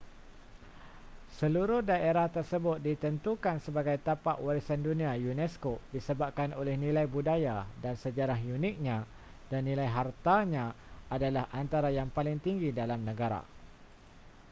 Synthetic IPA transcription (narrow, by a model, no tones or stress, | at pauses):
səluɾʊhdaeɾaht̪ərsəbʊt̪̚dit̪ənt̪ukansəbaɡajt̪apaʔwaɾisandunĩajunɛskodisəbap̚kanolɛhnĩlajbudajadansəd͡ʒaɾaɦjunɪk̚ɲã | danːĩlajɦart̪aɲã | adalahant̪aɾajaŋpalɪŋt̪iŋɡidalamnə̃ɡaɾa̰